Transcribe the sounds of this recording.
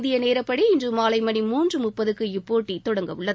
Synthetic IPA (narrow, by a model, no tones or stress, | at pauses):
ðɪjɐneːɾɐpːɐɽiɪndrɯmaːlɐɪmɐɳimuːndrɯmʊpːɐðɯkːɯɪpːoːʈːit̪ːɔɽɐŋɡɐʋɯɭːɐðɯ